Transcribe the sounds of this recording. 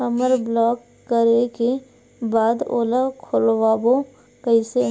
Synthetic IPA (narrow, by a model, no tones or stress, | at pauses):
əməɾblɔːkːəɾeke | baːd̪o̰ːlakʰolwaːbo | kəɪse